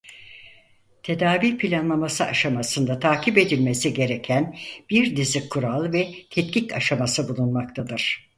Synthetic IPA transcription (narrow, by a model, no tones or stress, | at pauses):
t̪ʰe̞d̪aːvipʰilʲanlˠamasɯaʃamasɯnd̪at̪ʰaːcʰipe̞d̪ilʲmesiɟe̞ɾe̞cʰænb̥iɾd̪izikʰːuɾalˠvɛt̪ʰɛt̪̚cʲica̰ʃamasɯbulˠunmak̚t̪ʰad̪ɯɾ̥